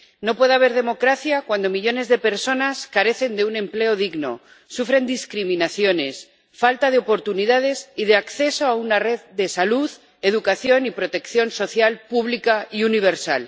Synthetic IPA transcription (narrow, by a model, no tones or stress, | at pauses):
no̞pwe̞ðeaβ̞e̞ɾðe̞mo̞kɾaθjakwand̪o̞miʎo̞ne̞zðe̞pe̞ɾso̞naskaɾe̞θe̞nd̪e̞unẽ̞mple̞o̞ðiɣno̞̰ | sufɾe̞nd̪iskɾimĩnaθjo̞ne̞s | falt̪aðe̞o̞po̞ɾt̪uniðað̞e̞siðe̞akθe̞so̞aunare̞ðd̪e̞saluð | e̞ðukaθjo̞nipɾo̞t̪e̞kθjo̞nso̞θjalpuβlikaiuniβ̞e̞ɾsa̰l